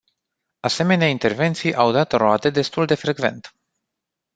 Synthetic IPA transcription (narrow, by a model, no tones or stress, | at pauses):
ase̞me̞neaint̪e̞rve̞nt̪sijʔawd̪at̪roat̪e̞d̪e̞st̪uld̪e̞fɾe̞ɡve̞̰nt̪